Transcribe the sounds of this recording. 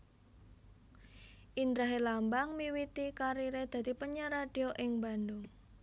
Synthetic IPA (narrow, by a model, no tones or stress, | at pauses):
ʔind̪ɾaɦelambaŋmiwit̪ikaɾiɾed̪̥ä̤d̪̥i̤pəɲəɾad̪̥ioʔɪŋba̤nd̪ʊŋ